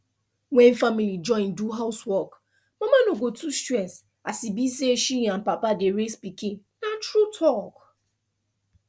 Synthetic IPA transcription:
wɛ̃n̩familid͡ʒɔ̃ɪ̃nduɦaʊswɔk | mamanoɡotustɛs | asibiseeʃijam̩papadeɾespikiŋ | natɾutʰɔk

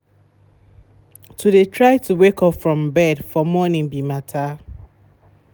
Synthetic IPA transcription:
tʰudetʰɹaɪtʰuwekɔpfɹɔ̃mbɛdfɔmɔnĩŋbimatʰa

